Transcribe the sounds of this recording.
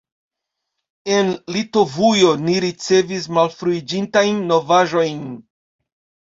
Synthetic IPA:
e̞nlito̞vujo̞niɾit͡se̞vis̬malfɾuid͡ʒintajnːo̞vaʒo̞jn

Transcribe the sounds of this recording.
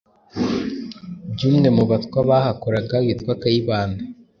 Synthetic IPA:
bɟuːmŋe̞muβatkwaβahakoɾaɡawitwakajiβaːnda

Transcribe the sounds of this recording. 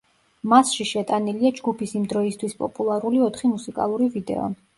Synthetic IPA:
masʃiʃɛt̪ʼaniliad͡ʒɡupʰisimd̪ɾɔist̪ʰwispʼɔ̰pʼulˠaɾuliɔt̪ʰχimusikʼa̰lˠuɾivid̪ɛ̰ɔ̰

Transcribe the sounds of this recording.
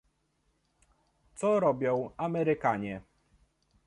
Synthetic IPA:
t̪sɔɾɔbʲjɔ̃w̃amɛɾɘkaɲɛ

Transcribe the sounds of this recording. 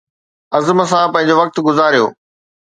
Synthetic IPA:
ɐzməsãpɐ̃ɦɪ̃ɲ̆d͡ʑoːʋɐk̚t̪ɡʊzaːɾijo̰ː

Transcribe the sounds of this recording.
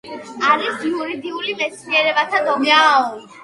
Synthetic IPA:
aɾisiuɾid̪iulimɛt̪sʰniɛɾɛbat̪ʰad̪ɔma

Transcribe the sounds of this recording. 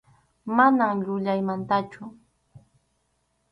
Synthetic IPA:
manamʎʊʎajmant̪at͡ʃʊ

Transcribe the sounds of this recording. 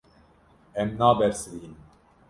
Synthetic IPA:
ɛmnaːbɛɾsɨɾiːnɨm

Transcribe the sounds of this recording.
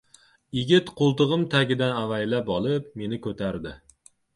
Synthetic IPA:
jɪɡʲɪt̪qʰolˠt̪ɨʁɨmt̪ʰaɡʲɪd̪anavajlapɒlˠɪp̚me̞nɪkʰɵt̪ʰaɾd̪ɪ

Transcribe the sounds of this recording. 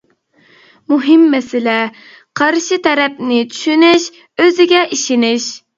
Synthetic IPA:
muɦɪmːɛsɪlɛ | qʰɑɾʃit̪ʰɛɾɛpnɪt͡ʃʰy̥ʃynɪʃ | øzɪɡʲɛʔiʃɪnɪʃ

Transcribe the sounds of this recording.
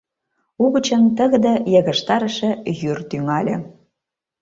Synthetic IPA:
uɣə̆t͡ɕə̆nt̪ə̆ɣə̆d̪ɤ̆jə̆ɣə̆ʃt̪ɑɾə̆ʃĕjyrt̪yŋɑlʲĕ

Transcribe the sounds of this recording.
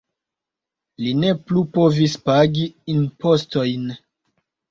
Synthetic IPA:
line̞plupo̞vispaɡiːnpo̞sto̞jn

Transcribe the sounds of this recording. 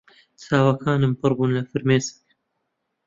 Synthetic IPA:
t͡sʰaːwɐkʰaːnɨmpɨrbuːnlɐfɨɾmeːzɪ̥k̚

